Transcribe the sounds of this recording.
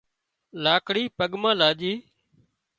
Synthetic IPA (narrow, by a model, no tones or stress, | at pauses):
laːkɽiːpəɠmãːlaːʄiː